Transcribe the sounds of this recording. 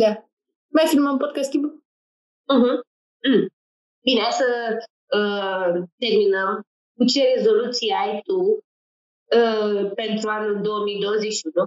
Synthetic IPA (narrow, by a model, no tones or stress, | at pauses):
d̪a | majfilməmpot̪̚kast̪t̪ibu | m̩ɦ̩ | m | binasə | ət̪erminəm | kut͡ʃeɾezolut̪siajt̪u | əpent̪ɾuanuld̪oəmid̪owəzeʃud̪o